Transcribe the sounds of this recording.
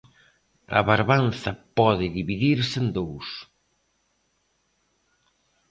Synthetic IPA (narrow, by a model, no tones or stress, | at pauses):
ɐ̰βaɾβanθɐpɔðɪðiβiðiɾsend̪ows